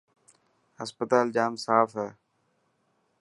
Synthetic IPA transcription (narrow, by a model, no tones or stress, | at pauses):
əspət̪aːld͡ʒaːmsaːfɦɛː